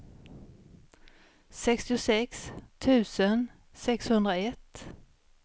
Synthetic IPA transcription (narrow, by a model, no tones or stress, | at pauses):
sɛkst̪ɪʊsɛkst̪ʰʉ̟ːsən | sɛkshɵnd̪ɾaɛt̪ː